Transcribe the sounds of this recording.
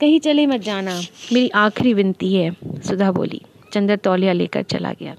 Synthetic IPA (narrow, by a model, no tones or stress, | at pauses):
kɐɦĩt͡ʃəlẽːmɛ̃t̪̚d͡ʒaːnaːmeːɾiːʔaːkʰɾiːʋɪnt̪iːɦɛːsʊd̪aːbo̰ːlḭː | t͡ʃə̃nd̪əɾt̪ɔːljaːlḛːkə̰ɾt͡ʃə̰la̰ːɡɪ̰a̰ː